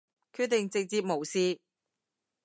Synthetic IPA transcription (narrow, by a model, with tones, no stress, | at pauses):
kʰyː˧t̪̚ɪ˨ŋt͡sɪ˨k̚t͡siː˧p̚mo˨˩wsiː˧